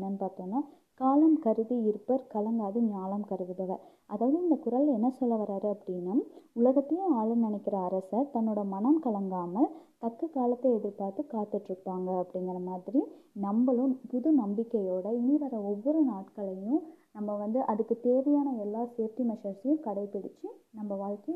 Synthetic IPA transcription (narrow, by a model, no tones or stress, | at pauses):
nɐnpaːɾt̪oːnːa | kaːlɐmkɐɾɯðiɪɾɯpːɐɾkɐlɐŋɡaːðɯɲaːlɐmkɐɾɯʋɯðɐʋɐ | ʔɐðaːʋɐðɯɪnd̪ɐkʊɾɐlɛnːɐsɔlːɐʋɐɾaːɾɯɐpːɐɽɪnːɐʊlɐɣɐt̪ːɐjɯ̃aːɻɐnɪnɛkːɪɾɐːɾɐsɐɾt̪ɐnːɯɽɐmɐnɐmkɐlɐŋɡaːmɐlt̪ɐkːɯkaːlɐt̪ːɐɛɽɪpːaːɾt̪ːɯkaːt̪ːɪʈːɾɯpːaːŋɡɐɐpːɐɽɪŋɡɐɾɐmaːðɪɾinɐmbɐlɯ̃mpʊðɯnɐmbɪkːɐjoːɽɐɪniːɾɐɾɐɔʋːɔɾɯnaːʈkɐɭɐjʊ̃nɐmːɐʋɐnd̪ɯʔɐðɯkːɯt̪eːʋɐjaːnɐɛlːaːseːɾt̪imɐʂɐɾsɐjɯ̃kɐɽɐɪpɪɽɪt͡ʃːɯnɐmbɐʋaːɻkɐ